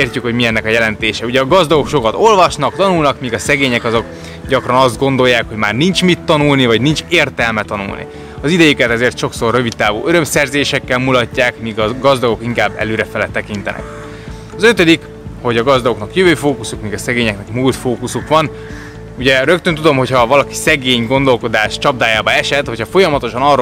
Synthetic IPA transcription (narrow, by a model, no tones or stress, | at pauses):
eːrcykho̞ɟmiɛnːɛkɒjɛlɛnt̪eːʃɛuɟɛɒɡɒzd̪ɒɡo̞kʃo̞kɒt̪o̞lvɒʃnɒk̚t̪ɒnulnɒkmiːɡɒsɛɡeːɲɛkɒzo̞k | ɟɒkrɒnɒzd̪̚ɡo̞nd̪o̞jːaːkho̞ɟmaːrnint͡ʃmit̪ːɒnulnivɒɟnint͡ʃeːrt̪ɛlmɛt̪ɒnṵlnḭ | ɒzid̪ɛjykɛt̪ɛzeːrt̪ʃo̞kso̞rːø̞vid̪t̪ːaːvṵːʔøɾø̞msɛrzeːʃɛkːɛlmulɒcːaːkmiːɡɒɡɒzd̪ɒɡo̞kiŋkaːbːɛ̰løːɾɛfɛlɛt̪ɛkint̪ɛ̰nʔɛ̰k | ɒzø̞t̪ød̪ik | ho̞ɟɒɡɒzd̪ɒɡo̞knɒkjøvøːfoːkusukmiːɡɒsɛɡeːɲɛknɛkmult̪foːkusukʋɒn | uɟɛɾø̞kt̪ønt̪ud̪o̞mɦo̞chɒvɒlɒki̥sɛɡeːɲɡo̞nd̪o̞lko̞d̪aːʃt͡ʃɒb̚d̪aːjaːbɒɛʃɛt̪ho̞cʰhɒfo̞jɒmɒt̪o̞ʃɒnɒr